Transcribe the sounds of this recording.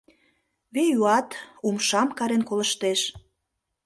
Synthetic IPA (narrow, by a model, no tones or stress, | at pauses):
βejuɑt̪umʃɑmkɑɾenkolə̆ʃt̪eʃ